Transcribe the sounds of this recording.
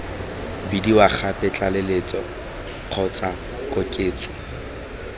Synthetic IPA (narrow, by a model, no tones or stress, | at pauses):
bidiwaχʰapʼɪt͡ɬʼalelet͡sʼɔ | q͡χʰɔt͡sʼa | kʼɔkʼeːt͡sʼʊ